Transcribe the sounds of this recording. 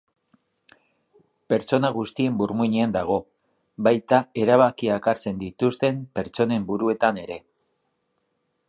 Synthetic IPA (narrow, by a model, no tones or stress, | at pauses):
pe̞ɾt͡so̞naɣ̞ust̪ie̞mbuɾmuɲeand̪aɣ̞o̞ | bajt̪ae̞ɾaβ̞akiaekaɾt͡se̞nd̪it̪ust̪e̞mpe̞ɾt͡so̞ne̞mbuɾue̞t̪ane̞ɾe̞